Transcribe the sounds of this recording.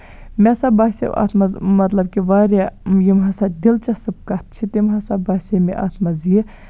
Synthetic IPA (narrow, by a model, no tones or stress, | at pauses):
mʲɛsabaːsḛa̰t̪ʰmɐzmɐt̪lɐb̚kiʋaːɾʲajimɦɐsad̪ilt͡ʃɐsɨb̚kɐt̪̚t͡ʃʰit̪imɦɐsabaːsʲemḭʔa̰ːt̪ʰmɐzji